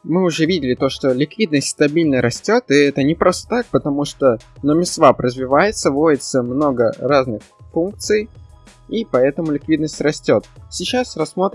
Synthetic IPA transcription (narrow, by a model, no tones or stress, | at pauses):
mɨʊʐɛvʲidʲɪlʲɪt̪o̞ʂt̪olʲɪkvʲid̪nəsʲtʲst̪ɐbʲilʲnəɾɐsʲtʲo̞t̪ɨɛt̪ənʲɪpɾost̪ə̥t̪ak̚pət̪ɐmuʂt̪onəmʲɪsvapɾəzvʲɪvajɪt̪səvojɪt̪səmno̞ɡəɾaznɨxfunk̚t̪sɨj | ipɐɛt̪əmʊlʲɪkvʲid̪nəsʲtʲrɐsʲtʲo̞t̪sʲɪt͡ɕasrɐsːmo̞t̪